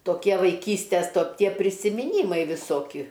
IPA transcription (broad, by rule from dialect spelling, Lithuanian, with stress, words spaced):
toːˈkʲiɛ ʋɐɪˈkʲiːsʲtʲɛs toː ˈtʲiɛ pʲrʲɪsʲɪmʲɪˈnʲiːmɐɪ ʋʲɪˈsoːkʲɪ